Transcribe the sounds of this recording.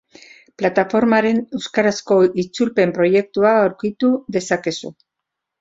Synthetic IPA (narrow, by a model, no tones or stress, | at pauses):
plat̪afo̞ɾmaɾe̞ne̞wskaɾasko̞ʔit͡sulpe̞mpɾo̞je̞k̚t̪uaːwɾkit̪uðe̞sake̞sṵ